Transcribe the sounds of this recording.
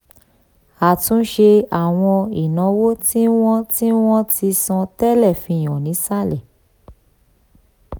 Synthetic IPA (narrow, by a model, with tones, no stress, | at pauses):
a˨tũ˦ʃe˧a˨w̃ɔ̃˧i˨nã˨˧wo˦ti˦w̃ɔ̃˦ti˦w̃ɔ̃˦ti˧sɔ̃˧tɛ˦lɛ˦˨fĩ˧˦˨j̃ɔ̃˨nĩ˨˦sa˦˨lɛ˨